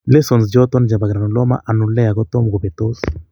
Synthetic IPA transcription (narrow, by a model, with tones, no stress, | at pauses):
le˦so˨ns̬d͡ʒo˦t̪o˦nd͡ʒa˨ba˨ɡɾa˨nu˨lo˦ma̰˦ʔa˨nu˨le˦a˨ɡo˦t̪o˦mɡu˨be˨t̪o˦s